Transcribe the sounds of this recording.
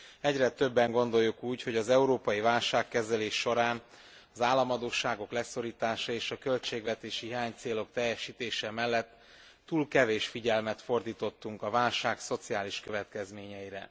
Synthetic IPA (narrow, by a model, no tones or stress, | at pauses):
ɛɟrɛt̪ø̞bːɛŋɡo̞nd̪o̞jːukuːcho̞ɟɒzɛuɾoːpɒjivaːlʃaːkːɛzɛleːʃːo̞ɾaːn | ɒzaːlːɒmɒd̪oːʃaːɡo̞klɛso̞ɾiːt̪aːʃɒeːʃɒkø̞lt͡ʃeːɡʋɛt̪eːʃiɦiaːɲt̪seːlo̞k̚t̪ɛjːɛʃiːt̪eːʃɛmɛlːɛt̪ː | uːlkɛveːʃfiɟɛlmɛt̪fo̞rd̪iːt̪o̞t̪ːuŋkɒvaːlʃaːkso̞t̪siaːliʃkø̞vɛt̪kɛzmeːɲɛjiɾɛ̰